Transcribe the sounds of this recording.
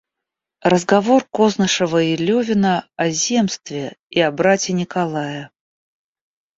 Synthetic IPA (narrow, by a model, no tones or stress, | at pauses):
rəzɡɐvorkoznəʂəvəɪlʲɵvʲɪnəɐzʲe̞mst̪vʲɪiɐbɾatʲɪnʲɪkalˠajə